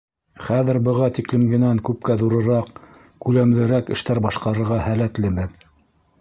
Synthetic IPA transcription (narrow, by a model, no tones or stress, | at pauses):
χæðɘ̆ɾbɤ̆ʁɑt̪iklɘ̆mɡɘ̆næŋkʉp̚kæðuɾɤ̆ɾɑq | kʉlæmlɘ̆ɾækɘ̆ʃt̪æɾbɑʃqɑɾɤ̆ɾʁɑhælæt̪lɘmɘð